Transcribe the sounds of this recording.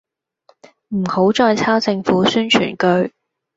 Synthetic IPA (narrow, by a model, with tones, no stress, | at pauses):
m̩˨˩ho˨˥wt͡sɔː˧jt͡sʰaː˥wt͡sɪ˧ŋfuː˨˥syː˥nt͡ʃʰy̰ː˨˩nkɵ˧ɥ